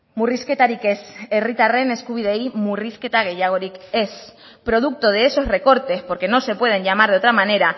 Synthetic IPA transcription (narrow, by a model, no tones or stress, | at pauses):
murisket̪aɾikeserit̪areneskuβiðeimurisket̪aɣeʝaɣ̞oɾikes | pɾo̞ð̞uk̚t̪oð̞eeso̞sre̞ko̞ɾt̪e̞spo̞ɾke̞nõse̞pwe̞ð̞e̞ɲʝamaɾðot̪ɾamãne̞ɾa